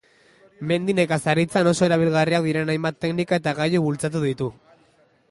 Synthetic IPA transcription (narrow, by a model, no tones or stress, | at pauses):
me̞nd̪ine̞kasaɾit͡sano̞so̞eɾaβ̞ilɣariak̚d̪iɾe̞najmbat̪ːe̞knikae̞t̪aɣajuβult͡sat̪̬uðit̪u